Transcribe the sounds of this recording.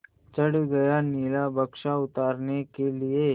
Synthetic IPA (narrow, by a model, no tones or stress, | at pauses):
t͡ʃɐɽɡɐjaniːlabəkʃaʊt̪aːɾnekelie